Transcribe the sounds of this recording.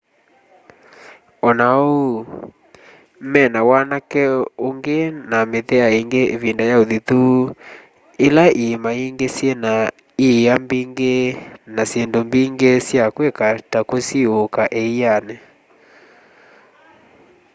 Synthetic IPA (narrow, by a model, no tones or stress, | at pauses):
ɔnao | m̩mɛnawanakɛoŋɡenameðɛaeŋɡeʔevindajaoðiðu | elaʔimaiŋɡesjena | iambiŋɡenasendombiŋɡesjakwekatakosiokaʔeianɛ